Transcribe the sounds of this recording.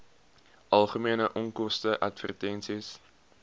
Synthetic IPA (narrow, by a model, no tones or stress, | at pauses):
ʔɐlˠχəmiənəʔɔŋkɔstəʔɐtfə̰rtɛnsis